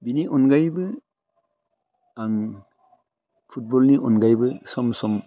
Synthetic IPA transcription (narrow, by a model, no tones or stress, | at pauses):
biniʔɔnɡajbɯ | aŋ | pʰut̚bɔlniʔɔnɡajbɯsɔmsɔm